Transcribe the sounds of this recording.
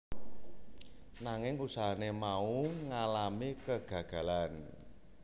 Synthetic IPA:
naŋɪŋusanemauŋalamikəɡ̥ä̤ɡ̥a̤lan

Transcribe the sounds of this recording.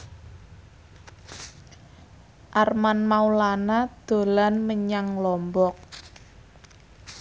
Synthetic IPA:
ʔarmanmaulanad̪̥o̤lanməɲaŋlɔmbɔk̚

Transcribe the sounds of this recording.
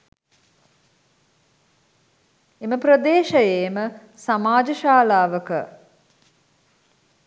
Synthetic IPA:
eməprəd̪eːʃəjeːməsamaːd͡ʒəʃaːlaːʋəkə

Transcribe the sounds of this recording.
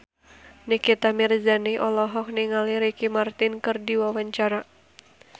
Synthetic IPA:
nikit̪amirzaniʔɔlɔɦɔk̚niŋaliɾikimart̪ɪnkɨrdiwawaɲt͡ʃaɾa

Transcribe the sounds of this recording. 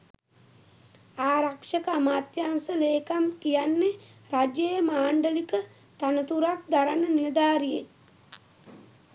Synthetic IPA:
aːɾakʂəkəamaːt̪jaːnsəleːkamkijanːe | ɾad͡ʒejəmaːɳɖəlikə | t̪anət̪uɾak̚d̪aɾanəniɾd̪aːɾije

